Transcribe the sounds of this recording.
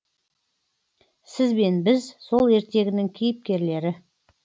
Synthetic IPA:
sɪzbe̞nbɪzso̞lˠe̞ɾt̪e̞ɡʲɪnɪŋkʲʰejɪp̚kʲe̞ɾle̞ɾɪ

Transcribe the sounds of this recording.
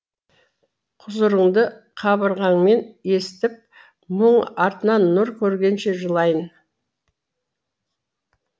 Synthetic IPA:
qʰʊzəɾəɴd̪ə | qʰɑbəɾʁɑɴme̞ne̞st̪ɪp̚ | məɴɑɾt̪ənɑnːʊɾkʲʰɵɾɡʲe̞nʃe̞ʒəlˠɑjən

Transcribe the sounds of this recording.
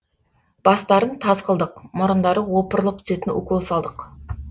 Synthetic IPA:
b̥ɑst̪ɑɾənt̪ʰɑzqəlˠd̪əqmʊɾənd̪ɑɾəwo̞pəɾəlˠəp̚t̪ʰze̞t̪ɪnʊ̰kolˠsɑlˠd̪əq

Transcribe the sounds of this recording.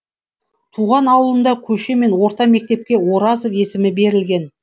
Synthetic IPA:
t̪ʰuʁɑnɑwəlˠənd̪ɑkʲʰɵʃe̞me̞nwo̞ɾt̪ɑme̞k̚t̪e̞p̚kʲe̞wo̞ɾɑzove̞sɪmɪbe̞ɾɪlɡʲe̞n

